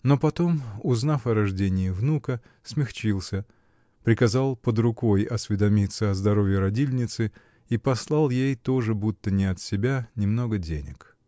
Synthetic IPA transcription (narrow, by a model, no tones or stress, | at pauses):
no̞pɐt̪o̞mʊznafɐɾɐʐdʲenʲɪːvnukə | smʲɪxt͡ɕilˠsʲə | pɾʲɪkɐzɑlˠpəd̪ɾʊko̞jɐsʲvʲɪd̪ɐmʲit̪səɐzd̪ɐɾo̞vʲjɪɾɐdʲilʲnʲɪt̪sɨ | ipɐslˠɑlˠjejt̪o̞ʐɨbut̪ːənʲɪɐt̪sʲɪbʲanʲɪmno̞ɡədʲḛnʲɪ̰k